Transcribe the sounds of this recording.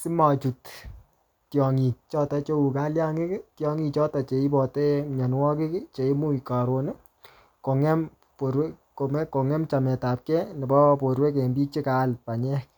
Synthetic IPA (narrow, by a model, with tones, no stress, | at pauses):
sɪ˦ma˨t͡ʃu˨t | tjɔ˨ŋi˨t͡ʃɔ˦ta˨t͡ʃo˦u˨ka˦lja˦ŋe˦ktjɔ˦˧ŋi˧t͡ʃɔ˦ta˨t͡ʃe˨i˦bɔ˨tɛ˦ɲa˨nwɔ˦kɪ˦kt͡ʃe˨i˦mu˦i˨ka˨ɾo˨n˦ | ko˨ŋɛ˦m | po˨ɾwɛ˦ | o˨mɛ˦ko˨ŋɛ˦mt͡ʃa˨mɛ˨ta˨p̚kɛ˦ni˨bɔ˦po˨ɾwɛ˦kɛ˨mbi˦t͡ʃɪ˦ka˨˦lpa˨ɲɛ˦